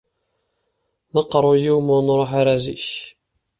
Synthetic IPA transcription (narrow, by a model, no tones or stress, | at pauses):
nəqːɾˤojuwmʊnɾˤoħaɾæzḭç